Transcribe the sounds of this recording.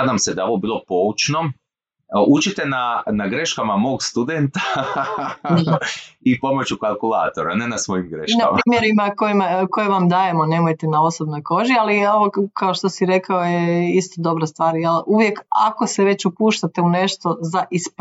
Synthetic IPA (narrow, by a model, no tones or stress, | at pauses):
ad̪amsed̪ao̞ʋobiːlˠo̞po̞ut͡ʃno | ut͡ʃit̪enanaɡɾe̞ʃkamamo̞ːɡst̪ud̪ent̪a | ipo̞mo̞t͡ɕukalˠkulˠa̰ːt̪o̞ɾa̰nenasʋo̞jimɡɾeʃknamapɾiːmjeɾimakojimako̞jeʋamd̪aje̞mone̞ːmojt̪enao̞so̞bno̞jko̞ʒialioʋokʰaoʃt̪o̞siɾe̞kaojeist̪od̪o̞bɾast̪ʋaːɾjeluʋje̞ka̰ko̞seʋe̞t͡ɕupuːʃt̪at̪eune̞ʃt̪o̞zaʔisp